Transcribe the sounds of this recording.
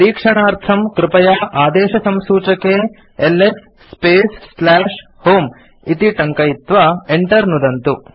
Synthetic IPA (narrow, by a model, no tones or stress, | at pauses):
ɾiːkʂɐɳaːɾt̪ʰɐmkɾɪpɐjaːʔaːd̪ɛːʃɐsɐmsuːt͡ʃɐke | elesː | peːsːlaːʂ | hoːm | it̪iʈɐŋkɐjit̪ʋɐeɳʈɐɾnud̪ɐnt̪u